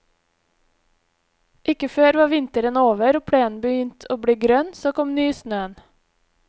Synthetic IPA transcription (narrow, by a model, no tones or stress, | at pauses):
ʔɪkəføːɾʋɑːʋɪnt̪əɾənoːʋəɾoːpʰɽeːn̩bəjʏnt̪ʰoːbɽeːɡɾœnsoːkɔmnyːsnøːən